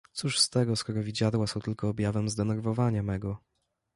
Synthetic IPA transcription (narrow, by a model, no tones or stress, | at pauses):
t̪suʂst̪ɛɡɔskɔɾɔvʲid͡ʑad̪wasɔ̃wt̪ɘlkɔːbʲjavɛmzd̪ɛnɛɾvɔvaɲamɛɡɔ